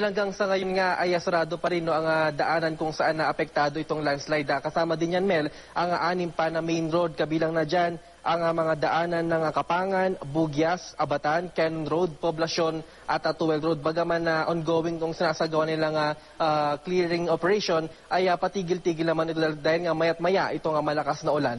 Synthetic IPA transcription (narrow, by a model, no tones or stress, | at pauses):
ɐlɐŋɡaŋsɐŋɐjonŋaʔɐjɐsʊɾaːd̪opɐɾɪnːoʔɐŋad̪ɐʔaːnɐnkʊŋsɐʔanːɐʔɐpɛk̚t̪aːd̪oʔɪt̪o̞ŋlanslajd̪ɐkɐsaːmɐd̪ɪnjɐnmɛl | ʔɐŋaʔaːnɪmpɐnɐmɛjnɾowd̪̚kɐbiːlɐŋnɐd͡ʒan | ʔɐŋɐmɐŋad̪ɐʔaːnɐnːɐŋɐkɐpaːŋɐnbuɡjɐsʔɐbɐt̪ankɛnonɾowd̪̚poblɐʃo̞n | ʔɐt̪ɐt̪owɛlɾowd̪̚bɐɡamanɐʔonɡoːwɪŋt̪ʊŋsɪnasɐɡɐwanɪlaɐŋɐ | ʔakliɹɪŋʔopɛɾɛʃo̞nʔɐjɐpɐt̪iːɡɪlt̪iːɡɪlnɐmanɪt̪od̪aːhɪlŋɐmajɐt̪̚mɐjaʔɪt̪o̞ŋɐmɐlɐkasnɐʔʊlan